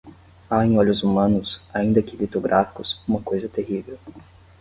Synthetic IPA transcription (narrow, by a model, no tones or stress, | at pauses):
aẽj̃ɔʎʊzumɐ̃nʊsaĩnd̪ɐkɪlit̪oɡɾʔafi̥kʊsũmɐkojzɐt̪eɦivew